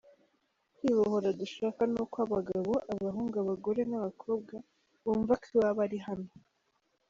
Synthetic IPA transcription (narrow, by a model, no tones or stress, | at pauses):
kiβohoɾaduʃaːkanuːkwaβaɡaβo̞ʔaβaɦuːŋɡaβaɡo̞ɾe̞naβakʰo̞ːb̚ɡa | βuːɱvakʰiwaβaɾiɦano